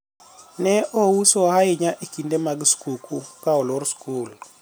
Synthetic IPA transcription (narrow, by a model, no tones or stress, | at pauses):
nɛʔowusohaɪɲaʔikindemaɡskukʰukaɔlɔɾskul